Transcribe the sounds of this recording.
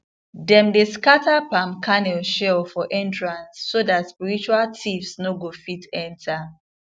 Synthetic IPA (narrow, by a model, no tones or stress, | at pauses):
dɛ̃mdeskatʰapãmkʰanɛlʃɛfɔʔɛ̃ntɹãnsːodatspiɹit͡ʃualtʰifsnoɡofitɛ̃ntʰa